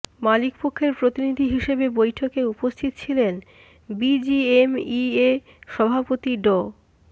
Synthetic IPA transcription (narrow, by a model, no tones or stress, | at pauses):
malikpokʰːeɾpɾot̪inid̪ʱiɦiʃebebojʈʰokeupost̪ʰit̪o̥t͡ɕʰilen | bid͡ʑiemie | ʃɔbʱapot̪iɖo